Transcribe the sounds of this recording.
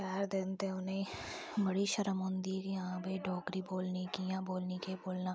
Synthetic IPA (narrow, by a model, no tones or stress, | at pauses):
kɛːɾd̪eːnt̪eʊnẽ | bɐɽiʃɐɾəmʊnd̪iːɾjɐɦãbiɖɔːkɾiboːlnikijãboːlnikeboːlnaː